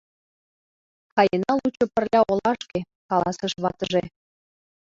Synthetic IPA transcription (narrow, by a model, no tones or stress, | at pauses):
kɑjenɑlut͡ɕŏpə̆rlʲæolɑʃke | kɑlˠɑsə̆ʃβɑ̰t̪ə̆ʒe